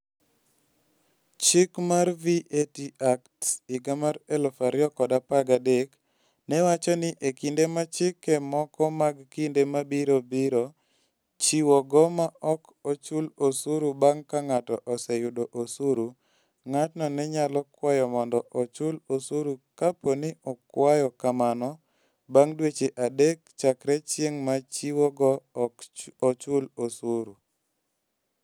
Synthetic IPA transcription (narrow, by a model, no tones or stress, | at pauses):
t͡ʃɪkmarviʔetiʔaktsɪɡamaɾɛlɔfaɾɪɔkɔdapaɡadek | nɛwat͡ʃɔnɪʔekindemat͡ʃɪkɛmɔkɔmaɡkindemabiɾobiɾo | t͡ʃiwɔɡɔmaɔk | ot͡ʃulosuɾubaŋkaŋatɔʔɔsɛjʊdoʔosuɾu | ŋatnɔnɛɲalɔkwajɔmɔndɔʔɔt͡ʃʊlosuɾukaponɪʔɔkwajɔkamanɔ | baŋdwet͡ʃeʔadekt͡ʃakɾɛt͡ʃjeŋmat͡ʃiwɔɡɔkɔt͡ʃʊlosuɾu